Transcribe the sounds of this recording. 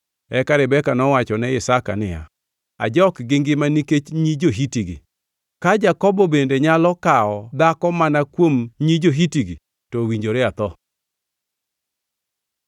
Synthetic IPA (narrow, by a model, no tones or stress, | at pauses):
ɛkaɾɪbɛkanɔwat͡ʃɔnɛɪsaka̰nɪa̰ | a̰d͡ʒɔkɡɪŋɡɪmaniket͡ʃɲid͡ʒoɦitiɡḭ | kad͡ʒakɔbɔbendeɲalɔkaɔd̪akɔmanakwomɲid͡ʒoɦitiɡi | tɔwiɲd͡ʒoɾɛat̪ɔ